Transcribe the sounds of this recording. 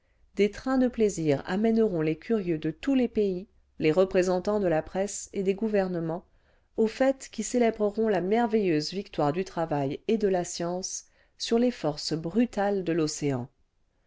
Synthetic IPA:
d̪et̪χɛ̃d̪əpleziʁa̰mɛnəʁɔ̃lekʲʰyʁjød̪ət̪ulepei | leʁəpχezɑ̃t̪ɑ̃d̪əlapχɛsed̪eɡuvɛʁnəmɑ̃ | ofɛt̪kʲiselɛbʁəʁɔ̃lamɛʁvejøzvik̚t̪waʁd̪yt̪χavajed̪əlasjɑ̃sː | yʁlefɔʁsbʁyt̪ald̪əloseɑ̰̃

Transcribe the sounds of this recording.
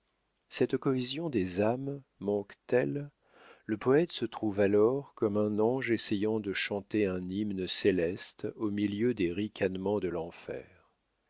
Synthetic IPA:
sɛt̪kɔezjɔ̃d̪ezamː | ɑ̃kt̪ɛl | ləpɔɛt̪sət̪χuvalɔʁkɔmɛ̃nɑ̃ʒesejɑ̃d̪əʃɑ̃t̪eɛ̃nimnəselɛst̪omiljød̪eʁikʲʰanmɑ̃d̪əlɑ̃fɛ̰ːʁ

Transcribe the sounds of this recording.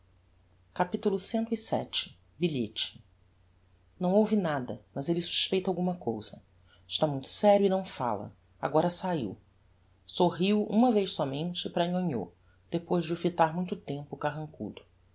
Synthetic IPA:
kapit̪ulʊsẽnt̪ʊisɛ̰t͡ʃɪ̥ | biʎet͡ʃɪ̥ | nɐ̃w̃owvinad̪ɐmɐzelɪsu̥ʃpejt̪ɐawɡũmɐkowz̥ɐ | ɪʃt̪amũj̃t̪ʊ̥sɛɾjʊinɐ̃w̃fa̰lɐ̰ | a̰ɡɔɾɐsaḭw | soɦiwṵ̃mɐvejʃsɔmẽnt͡ʃɪpɾɐĩɲõɲo̰ | d̪̥epojʒd͡ʒɪʊfit̪aɾmũj̃t̪ʊt̪ẽmpʊkaɦɐ̃ŋkṵd̪ʊ

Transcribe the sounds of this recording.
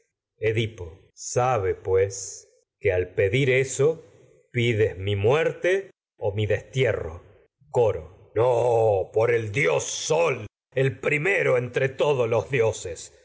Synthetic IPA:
eðipo | saβepwes | kealpe̞ðiɾeso | piðezmimweɾt̪e | omiðest̪jero̰ | koɾo̰ | nopoɾeld̪josːol | elpɾimeɾoent̪ɾet̪oðolozðjoses

